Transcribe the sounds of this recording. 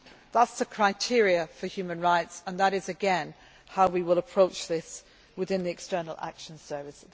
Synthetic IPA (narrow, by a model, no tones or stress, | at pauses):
ðətsəkʰɹ̥aɪtʰɪɹiəfəhjʉːmə̃nɹaɪtsə̃nðəɾɪzɨɡɛ̃n | haʊwiwɪlˠəpʰɹ̥oʊt͡ʃðɪs | wɪðɪ̃nðiɨkstɜ˞nl̩ˠa̰kʃə̃nsɜ˞vɪs